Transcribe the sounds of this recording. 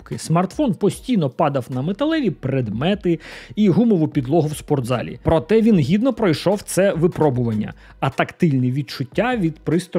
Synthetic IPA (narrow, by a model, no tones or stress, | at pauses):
kɪsmɐrt̪fɔnpɔsʲtʲijnɔpɑd̪ɐwnɐmet̪ɐlˠɛʋʲipɾɛd̪mɛt̪ɪiɦumɔʋʊpʲid̪lˠɔɦʊwspɔrd̪zɑ̰lʲḭpɾɔt̪ɛʋʲinɦʲid̪nɔpɾɔjʃɔwt̪sɛʋɪpɾɔbʊʋɐnʲːɐ̰ | ɐt̪ɐkt̪ɪlʲniʋʲid̪̚t͡ʃʊtʲːaʋʲid̪pɾɪst̪ɔ